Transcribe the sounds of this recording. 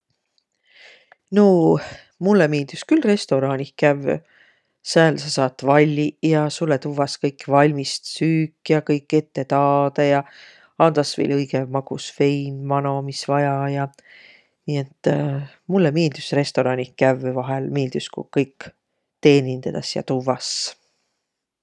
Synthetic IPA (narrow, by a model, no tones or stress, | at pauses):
no | mulːemeːld̪yskylre̞st̪o̞ɾɑːnikæv | sæːlsɑsɑːt̪ːˑvɑlʲːijɑsulːet̪uvɑskɤjkːvɑlʲmist̪syːkːˑjɑkɤjkːˑe̞t̪ːe̞t̪ɑːd̪ejɑ | ɑnd̪ɑsvḛlʲɤjɡ̥emɑɡ̥usfe̞jnmɑno̞misvɑjɑjɑ | niet̪ːˑ | mulːemeːld̪̥ysre̞st̪o̞ɾɑnihkævvɑɦe̞lmeːld̪̥yskṵkɤjkː | t̪e̞ːnʲind̪̥ɑd̪̥ɑsjɑ̰t̪uvɑs